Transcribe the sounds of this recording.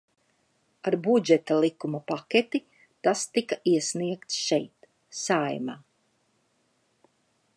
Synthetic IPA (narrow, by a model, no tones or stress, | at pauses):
aɾbud͡ʒɛt̪alˠikumapakʲet̪i | t̪ast̪ikaʔiɛsniɛkt̪sʃɛjt̪ | sajmaː